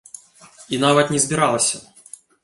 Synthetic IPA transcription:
inavɐt̪nʲɛzbʲiɾalˠɐsʲɐ

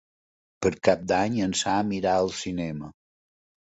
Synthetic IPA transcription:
pəɾkap̚d̪aɲənsaəmiɾaəlˠsinɛmə

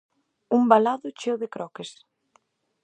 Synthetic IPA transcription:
umbalaðʊt͡ʃewðekɾɔkes

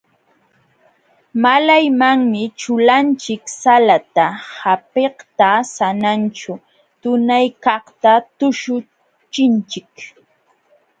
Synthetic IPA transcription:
malajmaŋmɪt͡ʃʊlant͡ʃɪksalat̪ahapeht̪asanant͡ʃʊ | t̪ʊnajkɑχt̪at̪ʊʃʊ | t͡ʃɪnt͡ʃɪk

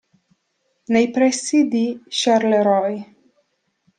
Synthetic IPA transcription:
nɛjpɾɛsid̪iʃaɾlɛɾɔj

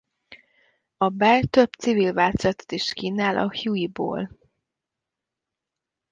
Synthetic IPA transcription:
ɒbɛlt̪ø̞bt̪sivilvaːt̪zɛt̪ɛ̥t̪iʃkiːnaːlʔɒ̰hjuibo̰ːl

